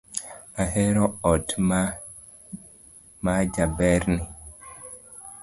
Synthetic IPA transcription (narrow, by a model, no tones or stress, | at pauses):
ahɛɾɔɔtma | mad͡ʒabɛɾni